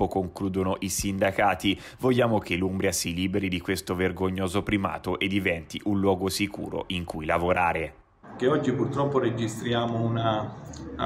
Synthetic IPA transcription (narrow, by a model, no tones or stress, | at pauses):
okoŋkluːd̪onoʔisind̪akaːt̪i | voʎːaːmok̟elumbɾjasiliːbeɾid̪ikwest̪overɡoɲːoːzopɾima̰ːt̪oʔed̪ivɛnt̪iʔunlwɔːɡosikṵːɾo̰ʔiŋkujlavoɾaːɾe | k̟eɔd͡ʒːipurt̪ɾɔpːoɾed͡ʒist̪ɾjaːmouna